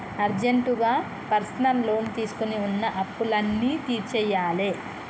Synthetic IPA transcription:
ɐɾd͡ʒeɳʈuɡaː | pɐɾsɐnɐllo̞ːnt̪iːsu̥kuniunːɐʔɐpːulɐnːiːt̪iːɾt͡ʃɛːjaːle

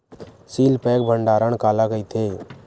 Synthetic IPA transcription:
siːlpɛːkbʱəɳɖaːɾəɳkaːlaːkəit̪ʰeː

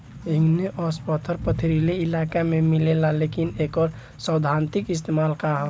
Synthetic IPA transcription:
iŋɡneʔɔspət̪ʰəɾpət̪ʰiɾileilakamemilelalekinekɔɾ | səwd̪ʱant̪ikis̬t̪emalkaɦɔ

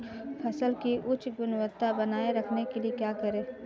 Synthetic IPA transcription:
pʰɐsəlkiʔʊt͡ʃɡʊnwət̪ːabɐnaːeɾɐkʰnekeliekjaːkɐɾẽː

